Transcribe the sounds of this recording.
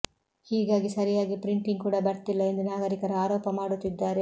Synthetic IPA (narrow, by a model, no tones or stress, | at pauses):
hiːɡaːɡisɐɾijaːɡipɾiɳʈiŋɡkuːɽɐbɐɾt̪ilːɐend̪unaːɡɐɾikɐɾɐaːɾoːpɐmaːɽut̪ːid̪ːaːɾe